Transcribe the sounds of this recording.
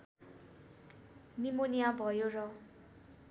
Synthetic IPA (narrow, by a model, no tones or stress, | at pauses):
nimonijabʱʌjorʌ